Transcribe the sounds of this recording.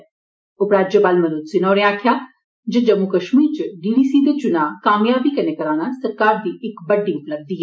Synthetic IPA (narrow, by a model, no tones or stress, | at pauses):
ʊpɾaːd͡ʒjəpaːlmɐnut̪sinɔːɾeaːkʰjaː | d͡ʒed͡ʒɐmukəʃmiːɾt͡ʃɖiːɖiːsiːd̪et͡ʃʊnakaːmjaːbikɐnekəɾaːñasɐɾkaːɾd̪iːʔɪkbɐɖːĩʊpləɡ̚d̪iːɦɛ